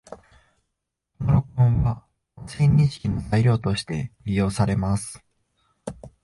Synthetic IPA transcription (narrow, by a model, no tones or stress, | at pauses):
noɾo̞kõɰ̃βa | sẽ̞ɲ̟ːĩɕi̥kʲinozaiɾʲjo̞ːt̪o̞ɕi̥t̪e̞ɾʲijo̞ːsaɾe̞masɨ̥